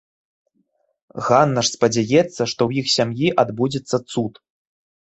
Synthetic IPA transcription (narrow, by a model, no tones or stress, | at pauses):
ɣanːɐʂspɐd͡zʲajɛt̪sːɐʂt̪ɔwjixsʲamjiʔad̪bud͡zʲɛt̪sːɐt̪sut̪